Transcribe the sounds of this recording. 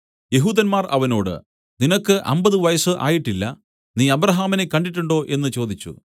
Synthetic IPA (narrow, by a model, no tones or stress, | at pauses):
je̞ɦuːd̪ɐnmaːrʔɐ̰ʋɐno̞ːɽɨ̰ | ninokːɨʔɐ̰mbɐðɨʋɐjɐsɨʔa̰ːjiʈːilːɐ | niːɐbrɐɦaːmine̞kːɐɳɖiʈːuɳɖo̞ːʔe̞nːɨt͡ɕo̞ːd̪it͡ɕːṵ